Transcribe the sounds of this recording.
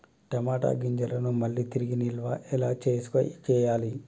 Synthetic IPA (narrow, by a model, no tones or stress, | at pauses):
ʈɐmaːʈa̰ːɡiɲd͡ʒɐlɐnumɐɭːit̪iɾiɡinilʋaːʔɛlaːt͡ʃeːsu̥ko̰jḭt͡ʃɛːjaːli